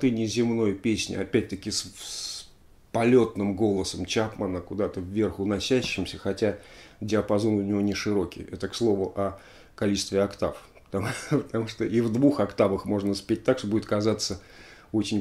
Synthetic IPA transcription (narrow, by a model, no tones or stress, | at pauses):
t̪ɨnʲɪzʲɪmno̞jpʲesʲnʲɪ̰ɐpʲæt̚ʲt̪əkʲɪss | pɐlʲo̞t̪nɨmɡo̞lˠəsəmt͡ɕapmənəkʊd̪at̪əvːʲe̞rxʊnɐsʲæɕːɪmsʲəxɐtʲadʲɪəpɐzo̞nʊnʲɪvo̞nʲɪʂɨɾo̞kʲɪ̰jɛt̪əkslˠo̞vʊʔɐ | kɐlʲit͡ɕɪ̥st̪vʲɪɐakt̪af | pə̥t̪ɐpət̪ɐmuʂt̪oʔivd̪vuxɐkt̪avəxmo̞ʐnəspʲet̚ʲt̪akʂt̪obudʲɪt̪kɐzat̪sːə | o̞t͡ɕɪnʲ